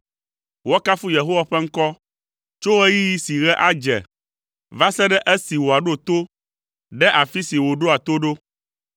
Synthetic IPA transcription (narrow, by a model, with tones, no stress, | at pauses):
wɔ˦ka˦fu˦je˨ɦo˦wa˨ɸɛ˦ŋ̩˦kɔ˦ | t͡ʃo˦wɛ˦ji˦ji˦si˨ɣɛ˦ʔa˦d͡ʒɛ̰˨ | va˦sɛ˦ɖɛ˦ʔɛ˦si˨wo˨a˨ɖo˦t̪o˦ | ɖɛ˦ʔa˨fi˦si˨wo˨ɖo˦a˨t̪o˦ɖo˦